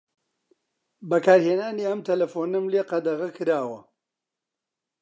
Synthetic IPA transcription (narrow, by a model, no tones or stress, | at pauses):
bɐkaːɾheːnaːniɐmt̪ʰɐlɐfoːnɨmleːqɐd̪ɐɣɐkʰɨɾaːwɐ